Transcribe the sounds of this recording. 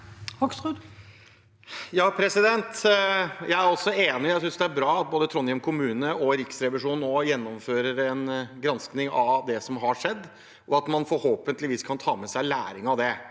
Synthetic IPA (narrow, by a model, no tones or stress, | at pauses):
hɑksʁʉd̪ | jɑːpʰɾɛsɪd̪ɛnt̪ | jæɪæɾɔlsɔeːnɪjæɪsʏnsd̪ɛæɾbɾɑːɑt̪̚boːd̪ət̪ʰɾɔnjɛmkʰʊmʉːnəʔɔɾɪksɾɛʋɪʂuːnnɔjɛnːɔmføːɾəɾɛnɡɾɑnsknɪŋɑʋd̪ɛsɔmɦɑʂɛd̪ː | ʔɔɑt̪mɑnfɔɾhoːpənt̪lɪʋiːskʰɑnt̪ʰɑːmɛsæɪlæ̰ːɾɪŋɑʋd̪ɛ